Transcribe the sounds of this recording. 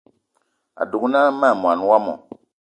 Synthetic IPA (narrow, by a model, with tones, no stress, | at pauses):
a̰˨du˨ɡu˦na˦ma˦˨mu˨a˨nu˦wa˦mɔ̰˨